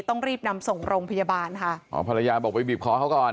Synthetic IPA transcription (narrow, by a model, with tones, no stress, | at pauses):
t̪ɔ˥˩ŋɾiː˥˩p̚na˧mso˨˩ŋɾoː˧ŋpʰa˧jaː˧baː˧nkʰa˦˥˩ʔɔ̰ː˨˩˦pʰa˧la˧jaː˧bɔː˨˩k̚pa˧jbiː˨˩p̚kʰɔː˦˥kʰa˦˥wkɔː˨˩n